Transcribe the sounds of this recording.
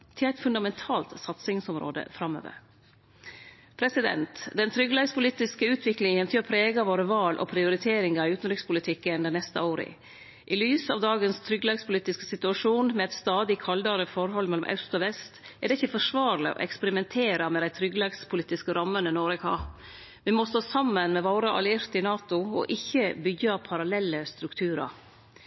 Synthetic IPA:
t̪ʰɪlæɪt̪fʉnd̪ɑmɛnt̪ʰɑːlt̪sɑt̪sɪŋsɔmɾo̰ːd̪ə̰fɾɑmø̰ːʋə̰ɾ | pʰɾɛsɪd̪ɛ̰nt̪d̪ɛnt̪ʰɾʏɡlɑːɡspʊliːt̪ɪskəʉːt̪ʰʋɪklɪŋənt̪ʰɪɔpʰɾeːɡɑʋoːɾəʋɑːlʔɔ̰pʰɾɪʊɾɪt̪ʰeːɾɪŋɑʉːt̪nɾʏkspʰʊlɪt̪ʰɪkːənd̪ɛnɛst̪ə̰oːɾə̰ | ʔɪlyːsɑʋd̪ɑːɡənst̪ʰɾʏɡlɑɡspʰʊliːt̪ɪskə̥sɪt̪ʉɑʂuːnmɛɛt̪st̪ɑːd̪ɪkʰɑld̪ɑɾəfɔɾɦɔlmɛlɔmʔɑ̰ʉst̪ɔʋɛst̪ɛɖɛɪçːəfɔʂʋɑːɾlɪ̰ɔ̰ʔɛ̰kspəɾɪmɛnt̪ʰeːɾɑmɛd̪æɪt̪ʰɾʏɡlɑɡspʰʊliːt̪ɪskəɾɑmːənənoːɾɛkʰɑː | ʋɪmɔst̪oːsɑmːənmɛʋoːɾəʔɑ̰lɪɪɾt̪ɪnɑːt̪ʊɔ̰ʔɪçːəbʏɡɑpʰɑɾɑlɛlːəst̪ɾʉkt̪ʰʉːɾɑ̰

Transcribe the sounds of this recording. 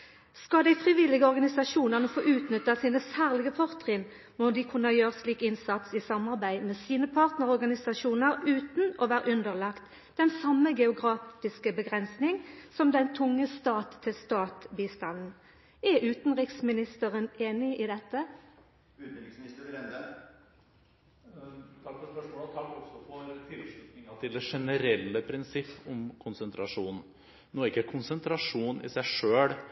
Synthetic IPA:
skɑd̪æɪfʁɪʋɪlɪɡəɔʁɡɑnɪsɑʂuːnəʁnəfoːʔʉːt̪nʏt̪ːɑsiːnəsæːʁlɪɡəpʰɔʁt̪ʁɪn | mɔd̪ɪkʰʉnːəɑjøːʁəsliːkɪnsɑt̪sisɑmɑʁbæɪmeːsiːnəpʰɑʁt̪nəʁɔʁɡɑnɪsɑʃuːnəʁʉːt̪n̩ɔʋæːɾəʔʉnd̪əʁlɑkt̪ | d̪̥ɛnsɑmːəɡɛʊɡʁɑːɪskəbəɡʁɛnsnɪŋsɔmd̪ɛnt̪ʰʊŋːəst̪ɑːt̪ʰːɪlst̪ɑːt̪biːst̪ɑnn̩ | æʔʉːt̪n̩ɾɪksmɪnɪst̪əɾəneːnɪid̪ɛt̪ːə | ʉːt̪n̩ɾɪksmɪnɪst̪əɾɾɛnd̪ə | t̪ʰɑkːfɔɾspœʂmoːlt̪ʰɑkːɔksɔfɔɾt̪ʰɪlʂʉt̪nɪŋɑt̪ʰɪld̪ɛʂɛnəɾɛlːəpʰɾɪnsɪpːɔmkʰʊnsənt̪ʰɾɑʂuːnn̩ | noːɪkːəkʰʊnsənt̪ʰɾɑʂuːnɪ̰sæɪʂøːɽ

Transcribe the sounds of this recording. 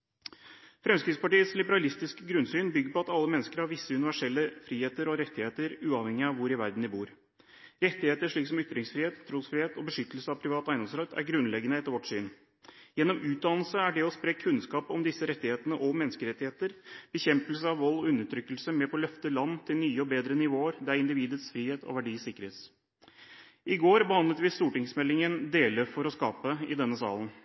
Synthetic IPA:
fɾɛmskɾɪt̪spɑʈiːət̪slɪbəɾɑlɪst̪ɪskəɡɾʉnsyːnbʏɡːəɾpɔɑt̪ɑlːəmɛnːəskəɾhɑɾʋɪsːəʉnɪʋæʂɛlːəfɾiːheːt̪əɾɔɾɛt̪ːɪheːt̪əɾʉːɑːʋhɛŋɪɑʋʊɾɪʋæɾd̪n̩d̪ɪbuːɾ | ɾɛt̪ːɪheːt̪əʂɭiːksɔmʏt̪ɾɪŋsfɾɪːheːt̪ʰːɾuːsfɾɪːheːt̪ɔbəʂʏt̪əlsəɑʋpʰɾɪʋɑːt̪æɪnɔmsɾɑt̪ʰːæ̰ɾɡɾʉnlɛɡənəɛt̪ːəɾʋɔʈsyːn | jɛnːɔmʉːt̪̚d̪ɑːnl̩səæɖɛɔspɾeːkʰʉnskɑːpɔmd̪ɪsːəɾɛt̪ːɪheːt̪ənəʔɔmɛnəskəɾɛt̪ːɪheːt̪əɾb̥əçɛmpəlsəɑʋʋɔlːɔʉnːəʈ̪ʰɾʏkːəlsəmɛpʰɔlœft̪əlɑnːt̪ʰɪlnyːəɔbeːd̪ɾənɪʋoːəɾd̪ɛæɾɪnd̪ɪʋiːd̪əsfɾiːheːt̪ʰɔ̰ʋæɖiːsɪkːəɾeːt̪s | ʔɪɡoːɾbəhɑnd̪ət̪ʋɪst̪uːʈɪŋsmɛlːɪŋənd̪eːləɾfɔɾɔskɑːpəɪ̰d̪ɛnːəsɑ̰ːlən

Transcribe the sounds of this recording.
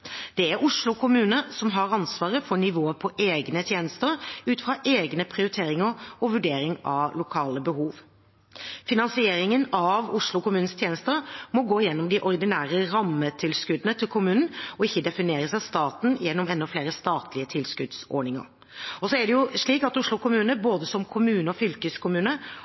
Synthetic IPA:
d̪̥ɛæɾʔʊʂlʊkʰʊmʉːnəsɔmɦɑɾɑnsʋɑːʁəfɔɳɪʋoːəpʰɔʔeːɡnət̪ʰjeːnəst̪əɾʉːt̪fʁɑʔeːɡnəpʰɾɪʊɾɪt̪ʰeːɾɪŋəɾɔʋʉɖeːɾɪŋɑ̰ʋlʊkʰɑːləbəhuːʋ | fɪnɑnsɪeːɾɪŋənɑʋʊʂlʊkʊmʉːn̩st̪ʰjeːnəst̪əɾmɔɡoːɪjɛnːɔmd̪ɪʔɔɾɪd̪ɪnæːɾəɾɑmːət̪ʰɪlskʉd̪ənət̪ʰɪlkʰʊmʉːnənɔɪçːəd̪ɛfɪneːɾəsɛst̪ɑːt̪n̩jɛnːɔmɛnːɔfleːɾəst̪ɑːt̪ʰlɪət̪ʰɪlskʉd̪sɔ̰ːɳɪŋə̰ɾ | ɔsɔæɖɛjʊʂɭiːkɑt̪ʊʂɭʊkʊmʉːnəboːd̪əsɔmkʰʊmʉːnəɔfʏlkəskʰʊmʉːnə

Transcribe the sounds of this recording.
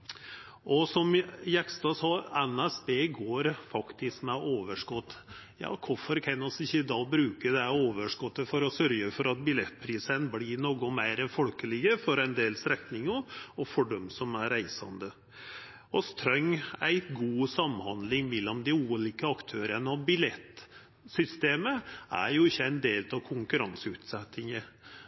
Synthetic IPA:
ʔɔsɔmjɛkst̪ɑsɑːɛnæsbeːɡoːɾfɑkt̪ɪskmɛʔoːʋəʂkɔt̪ːjɑ̰ːkʰʊfɔɾkʰɛnːɔsɪçːəd̪ɑːbɾʉːkəd̪ɛhæoːʋəʂkɔt̪ːəfɔɾɔsœɾɡəfɔɾɑt̪̚bɪlɛt̪ːpʰɾiːsənblinoːɡɔmæɪɾɛnfɔlkəlɪɡəfɔɾɛɪnd̪eːlsɾɛt̪nɪŋɑɔfɔɖɔmsɔmæɾæɪsɑ̰nd̪ə | ɔst̪ʰɾœŋæɪɡuːsɑmhɑnd̪lɪŋmɛlːɔmd̪ɪuːliːkəɑkt̪ʰøːɾənəɑʋbɪlɛt̪ː | sʏst̪eːməʔæ̰ɾjʊɪçːəæɪnd̪eːlt̪ɑʋkʰʊŋkʉɾɑnsʉːt̪sɛt̪ːɪŋə

